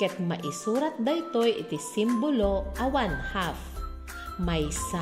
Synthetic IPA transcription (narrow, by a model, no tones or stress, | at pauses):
kɛt̪̚mɐʔɪsuːɾat̪̚d̪ɐʔɪt̪ojʔɪ̰t̪ɪsimboloʔɐwanhaf | majsa